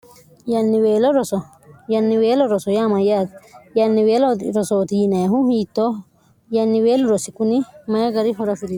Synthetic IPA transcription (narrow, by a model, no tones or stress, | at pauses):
janːiweːloɾɔso | janːiweːlɔɾɔsɔjamajat̪janːiweːloɾɔsot̪ijinaɦũhiːt̪ːo | janːiweːluɾosikunimajaɡaɾiɦɔɾafili